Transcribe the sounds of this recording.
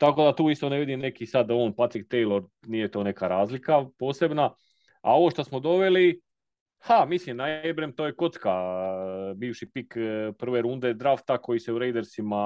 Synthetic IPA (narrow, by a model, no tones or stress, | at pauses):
t̪ako̞d̪at̪uːist̪one̞ʋid̪imne̞kisad̪o̞ːnpat̪ɾik̚t̪ejlo̞ɾ | nije̞t̪oːne̞kaɾaːzlikapo̞ːse̞bna | a̰o̞ʋo̞ʃt̪osmod̪o̞ʋe̞li | hamislimnaebɾemt̪oːje̞ko̞t̪ka | biːʋʃipikpr̩ʋeɾund̪e̞d̪ɾaft̪ako̞jiseuɾe̞jd̪eɾsima